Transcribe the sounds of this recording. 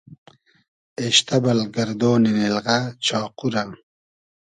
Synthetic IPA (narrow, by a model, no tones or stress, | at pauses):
eɕt̪ɐbɐlɡɐɾd̪oːninelʁat͡ɕɑːquɾɐm